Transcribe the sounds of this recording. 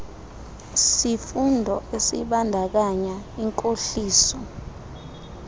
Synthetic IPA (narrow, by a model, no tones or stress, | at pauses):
sifundʱɔesiɓandʱak̬aɲaiŋkʼoɬiːsɔ